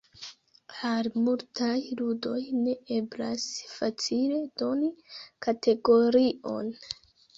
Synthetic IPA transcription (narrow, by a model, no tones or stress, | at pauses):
aɾmultajludo̞jne̞e̞bla̰sfat͡sile̞d̥o̞nikatʰe̞ɡo̞ɾio̞̰n